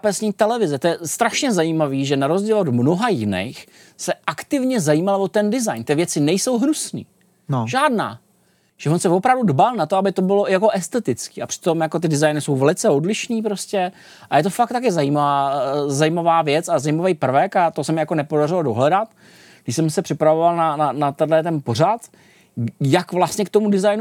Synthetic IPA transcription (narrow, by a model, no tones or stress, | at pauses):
pɛsɲiːt̪ɛlɛvɪzɛt̪ojɛst̪ɾaʃɲɛzajiːmaviːʒɛnaɾozɟiːlodmno̞ɦajɪnɛ̰jx | sɛʔakt̪ɪvɲɛzajiːmalvot̪ɛndɪzajnt̪ɪvjɛt͡sɪnɛjso̞wɦɾusnḭː | ʒaːdna̰ː | ʒ̥ɛvonsɛvo̞pɾavdudbalˠnat̪oabɪt̪o̞bɪlo̞jako̞ʔɛst̪ɛt̪ɪt͡skiːapr̥ɪ̥t̪o̞mjako̞t̪ɪdɪzajnɪso̞wvɛlɪt͡sɛo̞dlɪʃniːpɾoscɛ | ʔajɛt̪̬o̞fakt̪akɪzajiːmavaːzajimavaːvjɛt͡sazajimavejpr̩vɛkat̪osɛmɛjakonɛpodarɪlodo̞̰ɦlɛdat̪ | ɡdɪʃsɛmsɛpr̥ɪpɾavovalˠnananat̪adlɛt̪̬ɛnpo̞r̝at̪ | jakvlast̪ɲɛk̚t̪omudɪzajnu